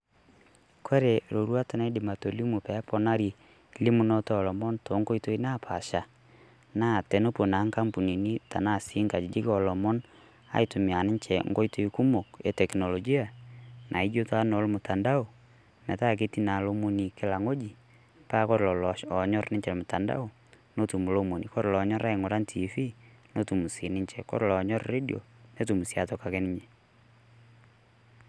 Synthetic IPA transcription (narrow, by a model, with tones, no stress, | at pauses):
kʰo˦ɾe˨ɾo˨ɾwa˦tʊ˨na˦dɪ˨ma˨to˨li˦mu˨pɛ˨˦pɔ˦na˦ɾi˨ | li˦mu˦nɔ˦tɔ˦ɔ˨lɔ˨mɔ˦nto˨˦ŋɡo˦i˦to˦i˦na˦pʰa˨ʃa˨ | na˦˨tɛ˨no˦po˨na˨˦ŋka˦mpu˨ni˨ni˦ta˨na˦˨si˦ŋka˨d͡ʒɪ˨d͡ʒɪ˦kɔ˨lɔ˨mɔ˦n | a̰˨jtʊ˨mja˨nɪ˦ɲt͡ʃɛ˨ŋɡo˦ito˦i˦ku˦mo˨kḛ˨tɛ˨kno˨lɔ˨ɡi˦a˨nʔa˨i˦d͡ʒo˦ta˦no˨˦lmʊ˨ta˨nda˦ʊ˨ | nɛ˨ta˦k̬e˦ti˦na˨lo˦mu˦ni˨kɪ˦la˨ŋo˦d͡ʒi˨ | pa˦kɔ˦ɾlɔ˨lɔ˨ʃɔ˨ɲɔ˦rnɪ˦ɲt͡ʃɛ˨lmʊ˨ta˨nda̰˦ʊ˨ | no˦tu˨mu˨lo˦mo˨ni˨kɔ˦ɾlɔ˨˦ɲɔ˦ɾa˦ɪ˨ŋo˨ɾa˦ntʰi˨fi˦no˦tu˨mu˨si˨nɪ˦ɲt͡ʃɛ˨kɔ̰˦ɾlɔ˨ɲɔ˦rre˦di˨o̰˨ne˦tu˨mu˨sja˨tɔ˨ka˨ke˦nɪ˦ɲe˨